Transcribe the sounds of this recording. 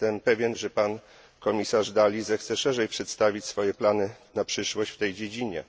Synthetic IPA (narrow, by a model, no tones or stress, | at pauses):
t̪ɛmpɛvʲjɛnʐɛpan | kɔmʲisaʐd̪alʲizɛxt̪sɛʂɛʐɛjpʂɛt̪st̪avʲit͡ɕsfɔjɛplanɘnapʂɘʂwɔɕt͡ɕft̪ɛjd͡ʑed͡ʑiɲɛ̰